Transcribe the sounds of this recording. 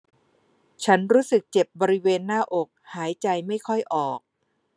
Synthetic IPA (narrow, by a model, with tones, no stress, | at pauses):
t͡ɕʰa˦˥nɾuː˦˥sɯ˨˩k̚t͡ɕe˨˩p̚bɔː˧ɾi˦˥weː˧nːaː˥˩ʔo˨˩k̚haː˩˦jt͡ɕa˧jma˥˩jkʰɔ˥˩jʔɔː˨˩k̚